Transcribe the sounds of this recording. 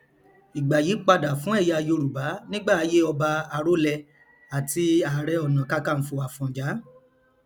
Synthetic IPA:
i˨ɡ͡ba˨ji˨˦k͡pa˧da˨fũ˦ɛ˦˨ja˧jo˧ɾu˨ba˨˦nĩ˦ɡ͡ba˦˨a˧je˦ɔ˧ba˧a˧ɾo˦lɛ˧ | a˨ti˧a˨ɾɛ˧ɔ˨nã˨ka˧˦kã˦˨n̩˨˦fo˧˨a˨fɔ̃˨d͡ʒa˨˦

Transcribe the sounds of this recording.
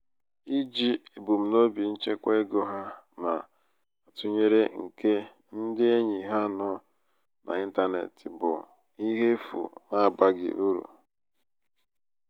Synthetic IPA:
i˦d͡ʒi˦e˨bu˨m̩˨no˦bi˨n̩˦t͡ʃe˦kʷe˦e˦ɡo˦ɦa˦na˨ | a˨tʊ˦ɲe˦ɾe˦ŋ̩˨ke˦ | n̩˦dɪ˦e˦ɲi˨ɦa˦nɔ˦ | nʔa̰˨i˦n̩˦ta˦nḛ˨tɪ˨bʊ˨ | i˦ɦe˦fṵ˨na˦˨ba˦ɡɪ̰˨ʔu˦ɾṵ˨

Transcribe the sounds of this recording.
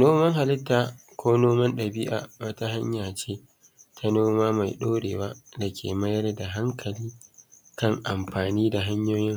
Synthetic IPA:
noː˦mɐ˦ŋɦa˨lɪ˦tːaː˨kʷʰoː˦noː˦mɐ˦nɗɐ˨bi˦ʔa̰˨wɐ˦ta˦ɦa˦ɲjaː˨t͡ʃeː˦ | tʰa˦noː˦maː˦ma˨jɗoː˦ɽḛː˨wa˦dɐ˨kʲʰḛː˨mɐ˦jɐ˦rda˨ɦa˦ŋkʰɐ˨liː˦ | kɐ˦ŋʔa˨mɸaː˨niː˦da˨ɦa˦ɲjoː˦jɪ˦ŋ

